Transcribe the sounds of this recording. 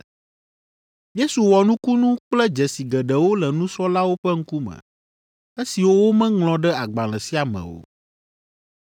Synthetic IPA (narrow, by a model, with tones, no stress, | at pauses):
je˦su˨wɔ˨nũ˦ku˦nũ˦k͡plɛ˦d͡ʒɛ˨si˨ɡɛ˨ɖɛ˨wo˦lɛ˨nũ˦sɔ˦la˦wo˦ɸɛ˦ŋ̩˦ku˦mɛ̰̃˨ | e˦si˨wo˦wo˦mɛ̃˦ŋlɔ̃˨ɖɛ˦a˨ɡ͡ba˨l̃ɛ̃˨si˦a˨mɛ̰̃˨wo̰˨